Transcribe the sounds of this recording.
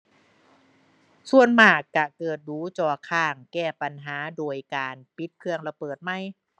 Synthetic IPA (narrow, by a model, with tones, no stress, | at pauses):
su˨˩ənmaː˨˩kːa˧˩kɤː˨˩t̪̚duː˨˦t͡ɕɔː˧˩kʰaː˧˩ŋkɛː˧˩pa˧nɦaː˩˦doː˧jkaː˧npi˧˦˥t̪̚kʰɯ˧əŋɾa˧bɤː˨˩t̪̚ma˧˥˩j